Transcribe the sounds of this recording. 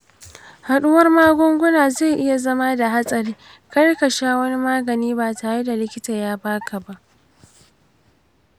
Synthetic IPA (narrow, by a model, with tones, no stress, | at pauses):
ha˨ɗʊ˦wɐ˦rmaː˦ɡʷʊ˦ŋɡʷʊ˦naː˨ze˦˨ʔɪ˦ja˨zɐ˦ma˦da˨ɦa˦sʼɐ˨ɾiː˦ | kɐ˦rkɐ˨ʃaː˦wɐ˦ni˦maː˦ɡɐ˨niː˦ba˨taː˨ɽe˦da˨lɪ˦kʲɪ˦ta˨jaː˦baː˦kʰa˨ba˦ʔ